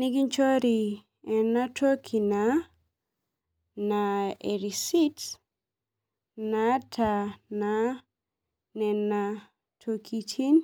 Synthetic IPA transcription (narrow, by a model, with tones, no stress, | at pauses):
ni˦ɡi˦nt͡ʃɔ˦ɾi˨ | ɛ˨na˦tʰo˦kʰi˨na | nae˨ɾisi˦t | natʰana | nɛ˨nːa | tʰo˨kʰitʰi˦n